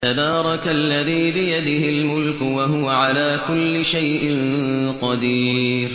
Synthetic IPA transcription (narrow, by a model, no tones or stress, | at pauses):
t̪abɑːɾˤɑkalːaðiːbɪjad̪ɪhɪlmʊlkʊwaɦʊwaʕalaːkʊlːɪʃajʔɪnqɑd̪iːɾ